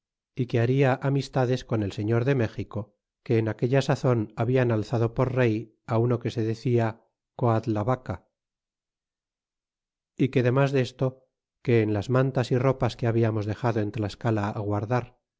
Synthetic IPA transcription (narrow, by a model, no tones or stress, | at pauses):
ike̞aɾiaʔamist̪aðe̞sko̞ne̞lse̞ɲo̞ɾðe̞me̞xiko̞ | ke̞ːnake̞ʎasaθo̞naβianalθaðo̞po̞ɾre̞j | auno̞ke̞se̞ðe̞θia | koat̪laβaka | ike̞ðe̞mazðe̞st̪o̞ | ke̞ːnlazmãnt̪asiro̞paskeaβiamo̞zðe̞xaðo̞e̞nt̪laeskalaːɣwaɾðaɾ